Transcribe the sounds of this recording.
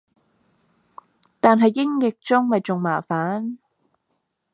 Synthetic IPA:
t̪aː˨nɦɐ˨jːɪ˥ŋjɪ˨k̚t͡sʊ˥ŋmɐ˨˩jt͡sʊ˨ŋmaː˨˩faː˨˥n

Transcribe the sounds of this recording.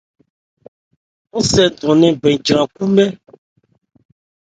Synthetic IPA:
ŋo˦sɛ˨dɔ̃˨nɛ̃˨bɛ̃˨d͡ʒɾã˨ku˦mɛ˦

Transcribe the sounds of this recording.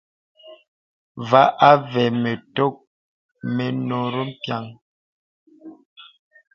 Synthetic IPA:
va˦ʔa˦vɛ˨me˨to˦k̚ | me˨no˨ɾo˦m̩˦pja˨ŋ

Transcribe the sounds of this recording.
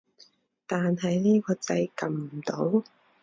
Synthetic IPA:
t̪aː˨nɦɐ˨jniː˥kɔː˧t͡sɐ˧jkɐ˨mm̩˨˩t̪o˨˥w

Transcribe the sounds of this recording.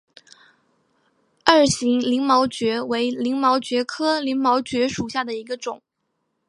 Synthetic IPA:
a˞˥˩ɕi˧˥ŋli˧˥ŋmɑ˧˥ʊt͡ɕɥɛ˧˥we˧˥ɪli˧˥ŋmɑ˧˥ʊt͡ɕɥɛ˧˥kʰɤ˥li˧˥ŋmɑ˧˥ʊt͡ɕɥɛ˧˥ʂu˨˩ɕja˥˩d̪ə˩i˧˥ɡə˧ʈ͡ʂʊ˨˩˦ŋ

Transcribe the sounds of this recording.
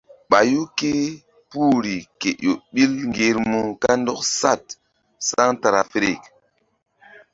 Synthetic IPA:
ɓa˨ju˦ke˦ | pu˦ɾi˨ke˨ʔjo˨ɓi˦lŋɡe˨˦ɾmu˦ka˦n˦dɔ˦ksa˦˨t̚ | sa˦ŋta˨ɾa˨fɾḛ˨k

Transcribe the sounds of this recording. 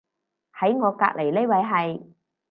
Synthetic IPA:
hɐ˨˥jŋɔː˨˧ka̰ː˧˥k̚le˨˩jle˥wɐ˨˧jɦɐ˨j

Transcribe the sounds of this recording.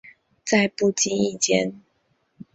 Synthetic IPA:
t͡sa˥˧ɪpu˥˨˩t͡ɕi˥i˥˨˩t͡ɕjɛ˦n

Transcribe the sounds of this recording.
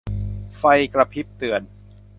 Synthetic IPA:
fa˧jkɾa˧pʰi˦˥p̚t̪ɯ˨˩ən

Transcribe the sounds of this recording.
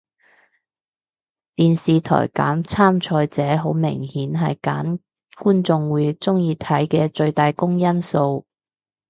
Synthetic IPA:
t̪iː˨nsiː˨t̪ʰɔ̰ː˨˩jka̰ː˨˥mt͡sʰaː˥mt͡ʃʰɔː˧jt͡sɛː˨˥ɦo˨˥wmɪ̰˨˩ŋhiː˨˥nɦɐ˨jka̰ː˨˥n | kuː˥nt͡sʊ˧ŋwuː˨˧jt͡sʊ˥ŋjiː˨˧t̪ʰɐ˨˥jkɛː˧t͡ʃɵ˧ɥt̪aː˨jkʊ˥ŋjɐ˥nso˧w

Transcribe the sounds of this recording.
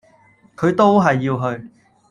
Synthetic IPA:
kʰɵ˨˧ɥt̪o˥wɦɐ˨jːiː˧wɦɵ˧ɥ

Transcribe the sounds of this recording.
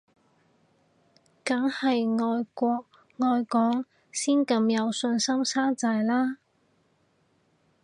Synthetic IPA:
kɐ˨˥ŋhɐ˨jŋɔː˧jkʷɔː˧k̚ | ŋɔː˧jkɔː˨˥ŋ | siː˥nkɐ˧mjɐ˨˧wsɵ˧nsɐ˥msaː˥t͡saː˧jlaː˥

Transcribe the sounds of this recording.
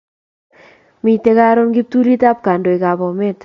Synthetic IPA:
mi˨te˦ka˦ɾo˦nɡi˦p̚tu˦ɾi˦ta˦p̚ka˨ndo˨e˨ka˨bɔ˨me˦t

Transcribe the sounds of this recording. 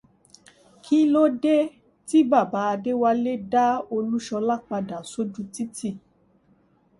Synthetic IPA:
kʰi˦lo˦de˦ | ti˦ba˦˨ba˨˦a˧de˦wa˧le˦da˦o˧lu˦ʃɔ˧la˦˨k͡pa˧da˨so˦d͡ʒu˦ti˦ti˦˨

